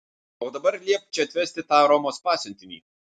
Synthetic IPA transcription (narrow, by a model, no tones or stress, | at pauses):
oːd̪ɐbɐɾlʲiɛk̚t͡ʃʲɛt̪ʲʋʲɛsʲt̪ʲɪt̪ɑːɾɔmoːspɑːsʲʊnʲt̪ʲɪmʲḭː